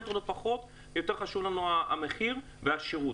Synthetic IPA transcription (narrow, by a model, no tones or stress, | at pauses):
tolefaχo̞t̪ | jo̞t̪e̞ʁχaʃuvlanuaa̰meχiʁ | veaʃiʁut